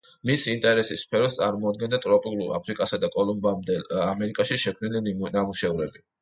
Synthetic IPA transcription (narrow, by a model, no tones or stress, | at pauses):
misint̪ʼɛɾɛsisːpʰɛɾɔst̪sʼaɾmɔad̪̚ɡɛnd̪at̪ʼɾɔpʼikʼlua̰pʰɾikʼasad̪akʼɔlˠɔmbamd̪ɛlamɛɾikʼaʃiʃɛkʰmnilinamuʃɛvɾɛbi